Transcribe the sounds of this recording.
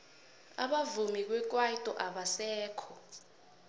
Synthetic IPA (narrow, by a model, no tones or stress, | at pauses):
a̰ɓavumik̬ʼwɛk̬ʼwaitʼɔʔaɓasɛːkʰɔ